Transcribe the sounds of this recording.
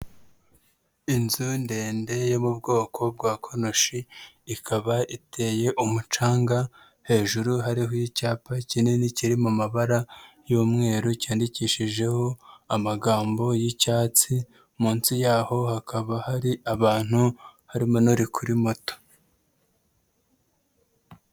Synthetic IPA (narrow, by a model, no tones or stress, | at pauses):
inzunde̞ːnde̞jo̞mub̚ɡo̞ːkʰo̞b̚ɡwaːkʰonoʃiː | kʰaβaʔitʰe̞je̞ʔumut͡ʃaːŋɡa | he̞ːʒuɾuɦaɾiɦojicaːpacininiciɾimumaβaɾa | joːmŋe̞ːɾocaːndiciːʃiʒe̞ho̞amaɡaːmbo̞jicaːt͡si | muːnsijaːho̞hakʰaβahaɾiʔaβaːn̥huhaɾimonuɾikʰuɾimo̞to̥